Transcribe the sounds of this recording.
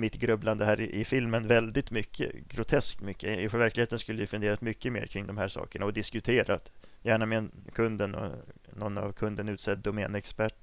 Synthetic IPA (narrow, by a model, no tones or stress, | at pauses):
mɪt̪ɡɾɵbland̪əɦæːɾɪʔɪfɪlmənvɛld̪ɪt̪mʏkʰːə̰ɡɾʊt̪ʰɛskt̪mʏkːəɪfœɾvæɾklɪɡheːt̪ənskɵlːəjɵfɵnd̪eːɾat̪mʏkːəmḛːɾkʰɾɪŋd̪ɔmhæːʂɑ̰ːkəɳaɔd̪ɪskɵt̪ʰeːɾʔat̪jæːɳamekʰɵnd̪ənɔ̰ | nɔnːa̰vkʰɵnd̪ənʉ̟ːt̪sɛd̪ːɔmɛɛ̰nɛkspæʈː